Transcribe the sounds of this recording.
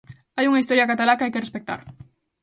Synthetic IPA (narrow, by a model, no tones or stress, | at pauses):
ajuŋaist̪oɾjakat̪alakajkerespek̚t̪a̰ɾ